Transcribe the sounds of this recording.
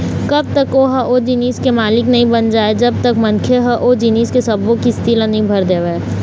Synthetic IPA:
kɐb̚t̪ɐkoɦaʔod͡ʒɪniːskemaːlɪknɐɦĩbɐnd͡ʒaːed͡ʒɐb̚t̪ɐkmɐ̃nkʰeɦɐʔoːd͡ʒɪniːskesɐbõkist̪ɪlanɐɦĩbʱɐɾd̪eːʋe

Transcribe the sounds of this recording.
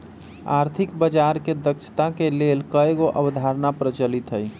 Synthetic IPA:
a̰ɾt̪ʰikbəd͡ʒaɾked̪əkt͡ʃʰə̥t̪akelelkəeɡoʔəbd̪ʱaɾnapɾət͡ʃəlit̪ɦəj

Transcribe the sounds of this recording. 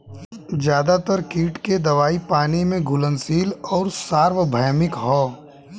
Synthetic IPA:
zjaːd̪at̪əɾkiːʈked̪ɐʋaːipaːnimẽɡʱʊlənsiːlɔːɾsaːɾʋəbʱəjmɪkɦɔː

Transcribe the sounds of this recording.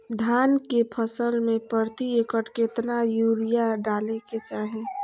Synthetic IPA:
d̪ʱaːnkepʰəsəlmẽpəɾt̪iekəʈket̪najuːɾijaɖaːleket͡ʃaːɦẽ

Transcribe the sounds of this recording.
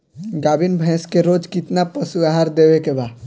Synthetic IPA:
ɡabinbʱɛ̃skeɾod͡ʒkɪt̪napəsuaɦaɾd̪ebekeba

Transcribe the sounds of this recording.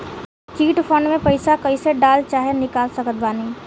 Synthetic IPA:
t͡ʃiːʈfʰə̃ɳɖmẽpəɪsakəiseɖaːlt͡ʃaːɦenɪkaːlsəkət̪̚baːniː

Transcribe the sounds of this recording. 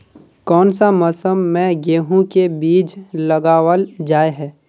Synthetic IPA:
kɔːnsaməsəmːɛ̃ɡeːɦũkebiːd͡ʒləɡaːwəld͡ʒaːeɦɛː

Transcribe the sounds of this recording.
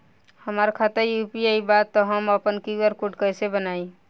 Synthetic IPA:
həmaɾkʰat̪əɾjupieibat̪ːɔɦəməpənkiɡəɾkuʈkəsebənai

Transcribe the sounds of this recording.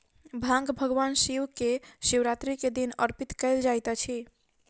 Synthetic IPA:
bʱãŋɡbʱəɡwansiwkesiwɾat̪ɾiked̪inəɾpit̪kəɪld͡ʒajt̪t͡ʃʰi

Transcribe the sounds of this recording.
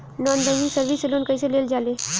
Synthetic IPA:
nɔːnd̪əʋisəɾʋiseloːnkəiseleːld͡ʒaːleː

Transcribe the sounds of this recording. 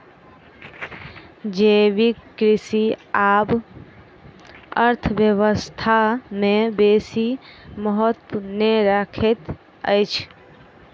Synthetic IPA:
d͡ʒebikɾisiab | əɾt̪ʰəbjəwəst̪ʰamẽbesiməɦɔt̪puneɾakʰet̪ | ə̰jt͡ʃʰ

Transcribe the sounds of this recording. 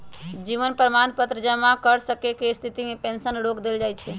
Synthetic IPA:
d͡ʒiʋənpɾəmanpət̪ɾəd͡ʒəmakəɾsəkekest̪ʰit̪imepẽnsənɽokd̪eld͡ʒajt͡ʃʰɛ

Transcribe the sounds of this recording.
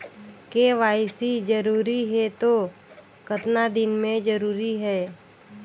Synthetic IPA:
keːʋaːɪsid͡ʒəɾuːɾiɦɛt̪o | kət̪nad̪ɪnmẽd͡ʒəɾuːɾiɦɛː

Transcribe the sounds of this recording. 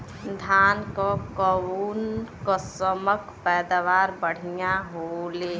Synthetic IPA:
d̪ʱaːnkokəwuːnkosəməkpɛːd̪aʋaːɾbəɽ̤ijaɦoleː

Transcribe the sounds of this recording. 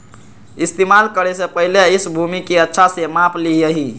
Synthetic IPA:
ist̪emalkəɾesẽpəɦileisbʱumikeətːʃʰasemapʰliəɦi

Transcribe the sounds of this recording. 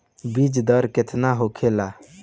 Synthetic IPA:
bid͡ʒd̪əɾkɪt̪ʰnaɦokʰela

